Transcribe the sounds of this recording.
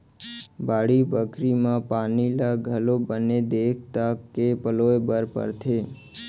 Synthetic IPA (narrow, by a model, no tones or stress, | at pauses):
baɽibəkɾimãpanilaɡʱəlobəned̪ekʰt̪akepəloebəɾpə̰ɾt̪ʰe